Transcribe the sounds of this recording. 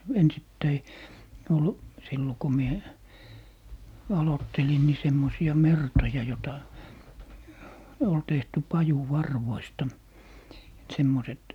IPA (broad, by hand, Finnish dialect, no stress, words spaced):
ensitːæi ol silːo ko mie ɑlotːelin ni semːosiɑ mertojɑ jotɑ ol tehty pɑjuʋɑrʋoistɑ semːoset